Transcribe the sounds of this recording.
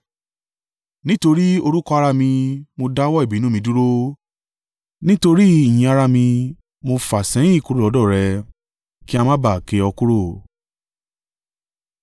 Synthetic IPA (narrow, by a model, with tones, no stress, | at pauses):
nĩ˦to˧ɾi˦o˧ɾu˦kɔ˦a˧ɾa˧mĩ˧mo˧da˦wɔ˦i˦˨bi˨˦nũ˦mĩ˧du˦ɾo˦ | nĩ˦to˧ɾi˦i˦˨j̃ĩ˧a˧ɾa˧mĩ˧ | mo˧fa˨sɛ̃˨˦ĩ˦˨ku˦ɾo˦˨lɔ˨˦dɔ˦˨ɾɛ˧ | ki˦a˧mã˦ba˨ke˨˧ɔ˧ku˦ɾo˦˨